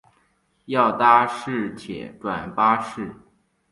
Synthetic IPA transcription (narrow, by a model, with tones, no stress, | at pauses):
jɑ˥˩ʊt̪a˥ʂɻ̩˥˩t͡ɕʰjɛ̰˨˩˦ʈ͡ʂwa˨˩npa˥ʂɻ̩˥˩